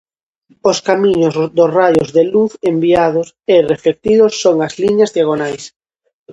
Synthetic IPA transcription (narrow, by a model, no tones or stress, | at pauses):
ʊskamiɲʊzðʊsrajʊzðeluθembiað̞ʊserefek̚t̪iðʊsːoŋɐzliɲɐzðjaɣ̞onajs